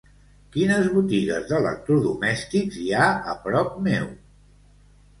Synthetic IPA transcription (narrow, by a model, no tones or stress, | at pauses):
kinəzβut̪iɣə̰zðələ̰k̚t̪ɾuðumɛst̪ikziaəpɾɔpmew